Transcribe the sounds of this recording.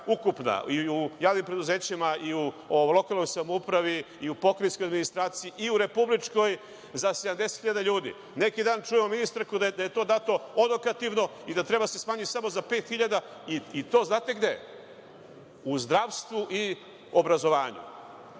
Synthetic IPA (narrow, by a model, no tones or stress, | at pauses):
ukupna̰iujaːʋnimpɾe̞d̪uze̞ːt͡ɕimaiuolˠo̞kalˠnojsamoupɾaʋi | iupo̞kɾeskojad̪minist̪ɾaːt̪siiʔiuɾe̞publit͡ʂko̞j | zased̪amd̪eset̪xiʎad̪aʎuːd̪ḭ | ne̞kid̪aːnt͡ʃujemo̞minist̪aɾkud̪ad̪aje̞t̪o̞ːd̪aːt̪o̞od̪okat̪iʋno̞id̪at̪ɾe̞basesmaːɲit̪samo̞zape̞ːt̪xiʎad̪a | iit̪o̞ːznaːt̪e̞ɡd̪e̞ | uzd̪ɾaʋst̪ʋuʔi | obɾazo̞ʋaːɲṵ